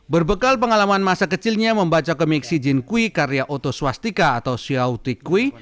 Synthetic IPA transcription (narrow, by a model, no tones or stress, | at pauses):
bərbəkalpəŋalamanmasakət͡ʃɪlɲaməmbat͡ʃakəmɛksid͡ʒɪnkuikaɾjaʔot̪oswast̪ikaːt̪awsiaut̪ɪkːui